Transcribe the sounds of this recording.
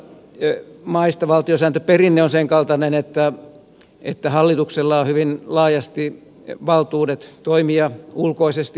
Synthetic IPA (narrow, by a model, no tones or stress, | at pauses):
mɑist̪ɑʋɑlt̪iosæːnt̪øperinːeonseŋkɑlt̪ɑnenet̪ːæ | et̪ːæhɑlːit̪ukselːɑohyʋinlɑːjɑst̪i | ʋɑlt̪uːdet̪t̪oimiɑulkoisest̪i